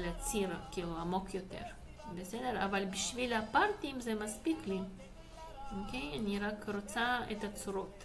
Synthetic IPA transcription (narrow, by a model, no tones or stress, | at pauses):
leat͡siɾkiːluamo̞kjot̪ḛʁ | besed̪eʁa̰valbiʃvilapaɾt̪imzemaspikli | okejaniʁakɾot͡saet̪at͡suɾot̪